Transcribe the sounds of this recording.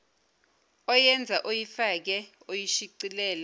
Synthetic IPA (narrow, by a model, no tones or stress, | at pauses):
ɔjɛnd͡zʱaʔojifak̬ɛ | ojiʃiǀilɛːlɛ